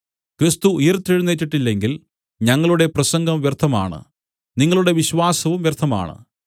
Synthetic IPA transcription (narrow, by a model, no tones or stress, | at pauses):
krist̪uujɐrt̪ːiɻunːetːiʈːilːe̞ŋɡil | ɲɐŋːɐɭuɽe̞prɐsɐŋɡʱɐmʋjert̪ʰːɐma̰ːɳɨ̰ | niŋːɐɭuɽe̞ʋiɕʋaːsɐʋumʋjert̪ʰːɐma̰ːɳɨ̰